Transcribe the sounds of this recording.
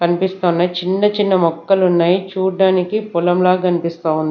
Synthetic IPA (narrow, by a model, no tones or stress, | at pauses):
kɐnipist̪oːnːɐt͡ʃinːɐt͡ʃinːɐmɔkːɐlunːaːjit͡ʃuːɽɖaːnikipulɐmlaːkɐnipist̪aːund̪i